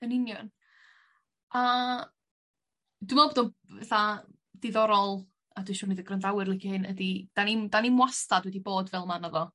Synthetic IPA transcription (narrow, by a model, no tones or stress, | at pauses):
ənɪnjɔn | a | d̥umalˠboːdɔnvɛ̰θa | d̥ɪðɔɾɔlˠ | aduːʃʊːnɨðəɡrəndawɨrlɪkʰihɪnədid̥anindanimwastadwɛdiboːdvɛlˠmanɔðɔ